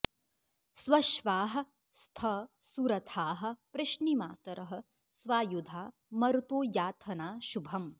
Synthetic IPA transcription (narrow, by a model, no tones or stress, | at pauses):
sʋɐʃʋaːɦɐ̆ | st̪ʰɐ | suɾɐt̪ʰaːɦɐ̆pɾɪʃnimaːt̪ɐɾɐɦɐ̆ | sʋaːjud̪ʱaː | mɐɾut̪oːjaːt̪ʰɐnaːʃubʱɐm